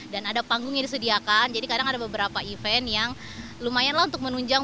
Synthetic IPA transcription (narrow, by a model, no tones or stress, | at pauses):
danadapaŋɡʊŋjaŋdisədiakand͡ʒadikadaŋadabəbəɾapaifɛnjaŋ | lumajanlahunt̪ʊk̚mənuɲd͡ʒaŋ